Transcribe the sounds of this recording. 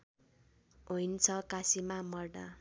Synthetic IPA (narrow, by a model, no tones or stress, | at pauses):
ɦujnt͡sʰʌkasimamʌrɖa